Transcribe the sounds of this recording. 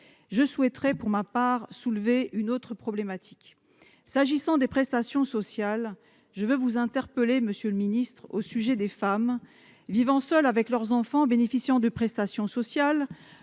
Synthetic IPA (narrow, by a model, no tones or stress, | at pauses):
ʒəswɛt̪χɛpuʁmapaʁsulveynot̪χəpχɔblemat̪ʰi̥k | saʒisɑ̃d̪epχɛst̪asjɔ̃sɔsjal | ʒəvøvuzɛ̃t̪ɛʁpəleməsjøləminist̪χosyʒɛd̪efam | vivɑ̃sœlavɛklœʁzɑ̃fɑ̃benefisjɑ̃d̪əpχɛst̪asjɔ̃sɔsjal